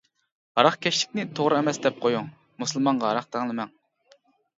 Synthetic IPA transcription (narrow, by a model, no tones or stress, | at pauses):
ɑɾɑχkʲʰɛʃlɪ̥k̚ʲnɪt̪ʰoʁɾɨɛmɛsd̪ɛp̚qʰojuŋ | muslˠmɑŋʁɑɑɾɑχd̪ɛŋlˠɨmɛŋ